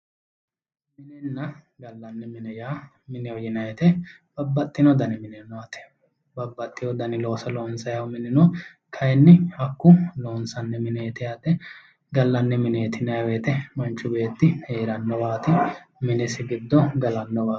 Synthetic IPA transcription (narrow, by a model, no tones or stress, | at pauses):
mɪnɛnːɐɡɐlːɐnːɛmɪnɛjaː | mɪnɛɔjɪnɐjɛt̪ɛb̥ɐbːɐt̪ʼːɪnɔd̪ɐnɪmɪnɛnːɔɐt̪ɛ̥ | bɐbːɐt̪ʼːɪjɔd̪ɐnɪlo̞ːsɐloːnsɐjɐwmɪnɪnɔ | kʰɐjɛnːɪhɐkːʊlo̞ːnsɐnːɛmɪnɛːt̪ɪjaːt̪ːɛ | ɡɐlːɐnːɛmɪneːt̪ɪnɐɐweːt̪ɛmɐnt͡ʃːʊbeːt̪ːɪheːɾɐnːɔbaːt̪ɪmɪnɛsɪɡɪd̪ːɔɡɐlɐnːɔbaː